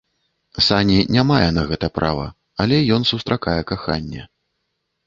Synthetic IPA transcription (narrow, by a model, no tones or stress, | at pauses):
sanʲinʲamajɛnɐɣɛt̪ɐpɾʔa̰vɐ̰ | alʲɛjɔnsust̪ɾakajɛkaxanʲːɛ̰